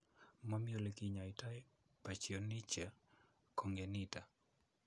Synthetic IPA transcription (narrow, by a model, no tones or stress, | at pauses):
mamjolekiɲaɪtaɛ | pat͡ʃionit͡ʃa | kʰoŋɡenita